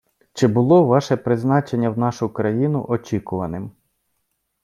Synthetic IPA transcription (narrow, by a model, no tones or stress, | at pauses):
t͡ʃɪbʊlˠɔʋɑʃɛpɾɪznɑt͡ʃenʲːɐwnɑʃʊkɾɐjinʊ̰ʔɔt͡ʃʲikʊʋɐnɪm